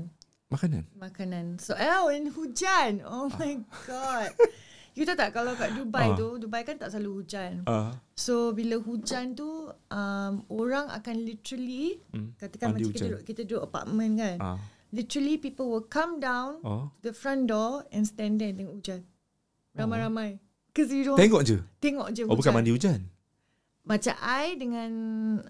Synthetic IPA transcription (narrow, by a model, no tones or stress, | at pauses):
n | makanã̰nmakanãnsoainhud͡ʒanomajɡɔt̚jut̪at̪aʔkalawɡaʔdubajt̪udubajkant̪aʔsaluhud͡ʒansobiləɦud͡ʒant̪uʔəmoɾaŋa̰kanlit̪əɾəlikat̪əkanmãakit̪əʔkit̪ədoʔəpa̰ʔ̚mə̃nkan | lit̪əɾəlipipəlwəlkãmdãwntudəfɹãndɔɛ̃nst̪ɛ̃ndɛndəŋhud͡ʒan | ɾamajɾamãj | kəz̬iɾot̪eŋɔkd͡ʒət̪eŋɔʔd͡ʒəhbukamandiud͡ʒan | bat͡ʃa̰ʔajdəŋãn